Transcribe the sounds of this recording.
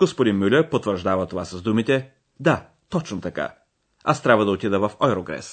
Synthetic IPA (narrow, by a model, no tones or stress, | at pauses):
ɡ̥ospod̪inmʲylʲɛpot̪vəɾʒd̪avət̪ovasɐzd̪umit̪ɛ | d̪a | t̪ɔt͡ʃnot̪ɐka̰ | ast̪ɾʲabvəd̪ɐot̪id̪əvɐfɔɛɾoɡɾɛ̰s